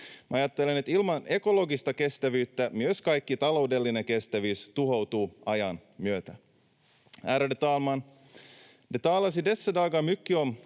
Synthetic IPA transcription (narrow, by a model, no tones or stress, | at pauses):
mæɑjɑt̪ːe̞lene̞t̪ilmɑne̞ko̞lo̞ɡist̪ɑke̞st̪æʋyːt̪ːæmyøskɑjkːit̪ɑlo̞wde̞lːineŋke̞st̪æʋyːst̪uɦo̞wt̪uːɑjɑnmyøt̪æ | æːɾædet̪ɑːlmɑn | det̪ɑːlːɑsidesːædɑːɡɑmykːion